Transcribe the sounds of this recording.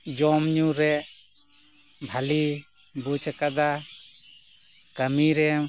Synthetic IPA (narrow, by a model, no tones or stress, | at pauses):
d͡ʒɔmɲuɾɛʔ | bʱali | but͡ʃʰakad̪a | kamiɾɛ